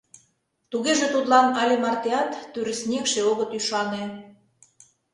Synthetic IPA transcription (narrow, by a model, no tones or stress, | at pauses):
t̪uɣeʒet̪ut̪lɑnɑlʲemɑrt̪eɑt̪ːyɾə̆snʲekʃeoɣə̆t̪yʃɑne